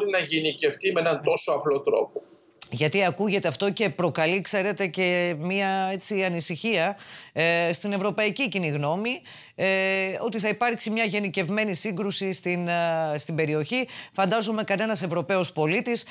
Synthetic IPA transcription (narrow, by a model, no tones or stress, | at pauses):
ɾinɐʝinice̞ft̪imeenɐnt̪o̞so̞ɐplo̞t̪ɾo̞̰po | ʝɐt̪iɐkuʝe̞t̪e̞ɐft̪o̞ce̞pɾo̞kɐlikse̞ɾe̞t̪e̞ce̞miɐe̞t͡siɐnisiçiɐ | st̪ine̞vɾo̞pɐiciciniɣno̞mi | o̞t̪iθɐipɐɾksimɲɐʝe̞nice̞vme̞nisiŋɡɾusist̪inst̪imbe̞ɾio̞çifɐnd̪ɐzume̞kɐne̞nɐse̞vɾo̞pe̞ospo̞lit̪is